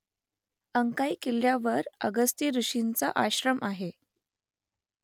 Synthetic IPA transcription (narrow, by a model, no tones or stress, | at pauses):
əŋkaikiljaʋəɾə̰ɡəst̪iːɾuɕint͡sa̰ʔaɕɾəmʔaɦe